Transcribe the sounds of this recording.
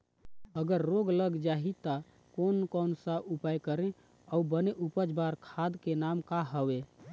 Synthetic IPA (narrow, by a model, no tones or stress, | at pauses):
əɡəɾːoɡələɡd͡ʒaɦit̪ə | konkɔnsəʔupajkəɾẽ | aubəneʔupəd͡ʒbaɾkʰad̪kenamkaɦəʋe